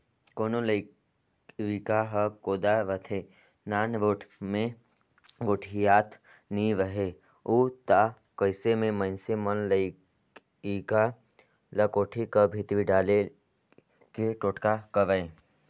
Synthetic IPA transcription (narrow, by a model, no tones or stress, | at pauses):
koːnoləɪ | ʋikaɦəkoːd̪aʋət̪ʰe | naːnʋoːʈʰmẽ | ɡoʈʰijaːt̪ʰ | niʋəɦe | uːt̪a | kəɪsemẽmə̃nsemənləɪ | ika | lɐkoːʈʰikəbʱit̪ʋiɖaːle | keʈoːʈkakəʋəẽ